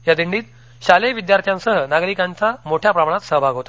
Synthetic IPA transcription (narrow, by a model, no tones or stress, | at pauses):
jad̪iɳɖiːt̪ | ɕaleʋid̪jaɾt̪ʰjãnsəɦənaɡɾikãɲt͡ɕamoʈʰjapɾamaɳ̃at̪səɦəbʱaɡʱɦot̪a